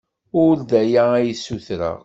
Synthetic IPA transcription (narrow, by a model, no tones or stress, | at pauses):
ʊld̪æjææjəsːuθɾə̰ʁ